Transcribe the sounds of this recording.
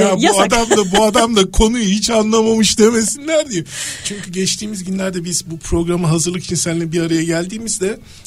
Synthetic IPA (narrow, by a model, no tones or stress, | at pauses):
jabuad̪amd̪abuad̪amd̪akʰo̞nujuɦit͡ʃanlˠamamɯʃd̪e̞me̞sinlʲæɾd̪ijɛt͡ʃʰyɲcʰyɟɛt͡ʃt̪ʰiːmizɟynlʲæɾd̪ɛbizbupʰɾo̞ɡɾamɯɦazɯɾlˠɯki̥t͡ʃʰinsænlʲɛbiɾaɾajaɟælʲd̪iːmizd̪ɛ